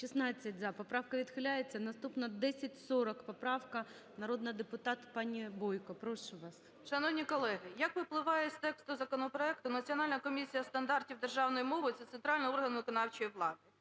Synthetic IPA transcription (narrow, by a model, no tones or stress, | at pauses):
ʃisnɑt͡sʲːɐtʲzɐpɔpɾɑwkɐʋʲid̪xɪlʲajet͡sʲːɐnɐst̪upnɐd̪ɛsʲɐtʲsɔɾɔkpɔpɾɑwkɐ | nɐɾod̪nɐd̪epʊt̪ɑt̪pɑnʲibɔjkɔpɾɔʃʊʋɑs | ʃɐnɔwnʲikɔlˠɛɦɪjɐkʋɪplˠɪʋɑjɛsʲt̪ɛkst̪ʊzɐkɔnɔpɾɔɛkt̪ʊnɐt͡sʲiɔnɑlʲnɐkɔmʲisʲijɐst̪ɐnd̪ɑrtʲiwd̪erʒɑwnɔjimɔʋɪtsɛt̪sɛnt̪ɾɑlʲnɪɔrɦɐnʋɪkɔnɑwt͡ʃɔjiʋlˠɑd̪ɪ